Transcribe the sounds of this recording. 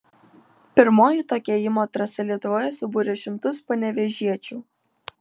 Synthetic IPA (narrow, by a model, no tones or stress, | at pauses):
pʲɪɾmoːjɪt̪oːkʲɛjɪmoːt̪ɾɐsʲɛlʲiɛt̪ʊʋoːjɛsʊbuːɾʲɛʃʲɪmt̪ʊspɐnʲɛʋʲɛʒʲiɛt͡ʃʲuː